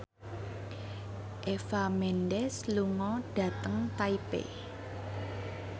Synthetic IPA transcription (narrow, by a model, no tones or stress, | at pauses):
ʔefamɛndɛsluŋɔɖ̥ä̤t̪əŋt̪aipḛ